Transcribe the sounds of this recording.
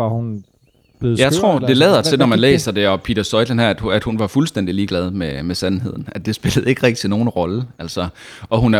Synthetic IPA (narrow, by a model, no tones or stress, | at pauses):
ɑhun | b̥eð̩ˠjɑ̈ɪt͡sʰʁo̝ɐ̰d̥e̝lɛ̰ːðˠɐ̥t͡sʰenɒmænlḛːsɐd̥e̝ɒ̽pʰiːd̥ɐsɒ̽ɪ̥lənhæɐ̰æd̥æd̥hunʋɑ̈fulsd̥en̰d̥iliːɡ̥lɛð̞ˠmemesænɦe̝ð̞̰ˠn̩æd̚d̥e̝sb̥e̝ləð̞̩ˠe̝ɡ̥ʁɛɡ̥̚i̥t͡sʰeno̝ːn̩ʁɒ̽ləʔæl̰sɒʔɒ̽ɦun